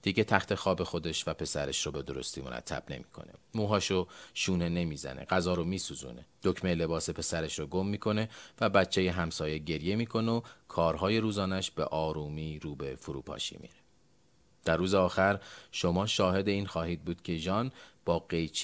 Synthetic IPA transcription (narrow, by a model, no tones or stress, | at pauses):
d̪̥iɟe̞t̪ʰæxt̪ʰe̞xɒːbe̞xo̞d̪e̞ʃvæpʰe̞sæɾeʃɾobe̞d̪o̞ɾo̞̰st̪iːmo̞̰ɾæ̰t̪ʰːæ̰b̥ne̞̰mi̥ːkʰo̞̰nḛmuːɦɒːʃoʃuːne̞ne̞miːzæ̰nḛɡæzɒːɾomiːsuːzṵːne̞̰d̪̥ocʰmele̞bɒːse̞pʰe̞sæɾeʃɾoɡo̞mːiːkʰo̞ne̞væbæt͡ʃʰːe̞je̞ɦæmsɒːje̞ɟe̞ɾje̞miːkʰo̞nokʰɒːɾɦɒːje̞ɾuːzɒːnæʃb̥e̞̰ʔɒːɾuːmiːɾuːbe̞foɾṵːpʰɒ̰ːʃḭːmḭːɾe̥ | d̪̥ærːuːzeɒːxæɾʃo̞mɒːʃɒːɦe̞d̪e̞iːnxɒːɦiːd̪̚buːd̪̥cʰe̞ʒɒnb̥ɒːɢe̞jt͡ʃʰ